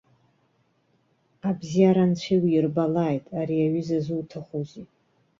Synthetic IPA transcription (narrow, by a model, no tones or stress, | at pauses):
abzijaɾant͡ɕʷʰiwiɪrbalaːjtʼaɾiaɥɪzazutʰaχʷozi